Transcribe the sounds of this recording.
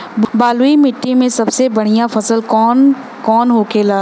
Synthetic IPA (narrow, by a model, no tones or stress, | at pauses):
bbaːluimɪʈːimẽsɐbsebɐɽ̤ijãfɐsəlkɔːn | kɔːnɦoːkeːlaː